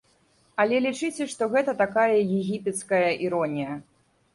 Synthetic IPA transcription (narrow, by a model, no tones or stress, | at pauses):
ɐlʲɛlʲit͡ʂɨt͡sʲɛʂt̪ɔɣɛt̪ɐt̪akajɐjɛɣʲipʲɛt̪skɐjɐʔiɾɔnʲijɐ